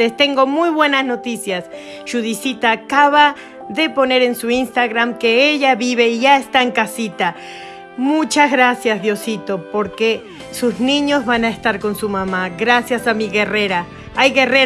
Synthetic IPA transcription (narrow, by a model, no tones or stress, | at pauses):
est̪e̞ŋɡomujβwe̞nasno̞t̪isjas | ʃuðisit̪aːkaβa | ðepone̞ɾensuinst̪aɣɾamkeeʎaβiβeiʝaest̪aeŋkasit̪a | mut͡ʃazɣɾasjazðjosit̪opoɾke | suznĩɲozβanaest̪aɾkonsumamaɣɾasjasamiɣereɾa | ajɣere